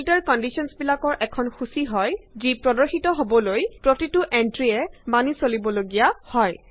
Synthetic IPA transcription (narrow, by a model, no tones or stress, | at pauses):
iltɛɹkɔndisɔnsbilakɔɹʔɛkʰɔnxusiɦɔjzipɹɔdɔɹxitɔɦobɔlojpɹotitʊʔɛntɹiɛmanisolibɔloɡijahɔj